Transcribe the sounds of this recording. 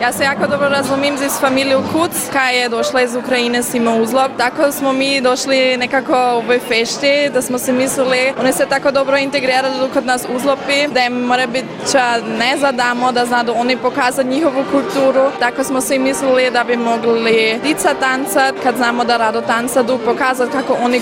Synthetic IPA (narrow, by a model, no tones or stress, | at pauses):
jaːsejaːkod̪obɾoɾazumijmzisfamiliukʰut̪skajajed̪oʃlaizukɾainɛsimouzlˠop̚t̪akosmomiːd̪oʃlinekakooʋojfeʃt̪id̪asmosɛmislilionisɛt̪akod̪obɾoint̪eɡɾiːɾaliukod̪naːsuzlˠopid̪aɛmmoɾabit̪ | t͡ʃanɛzad̪amod̪aznad̪uonipokaːzat̪ɲixoʋukult̪uːɾut̪akosmosimislilid̪abimoɡlid̪̥it̪sat̪ant̪sat̪kad̪znaːmod̪aɾad̪ot̪ant̪sad̪upokaːzat̪̚kakoʔoni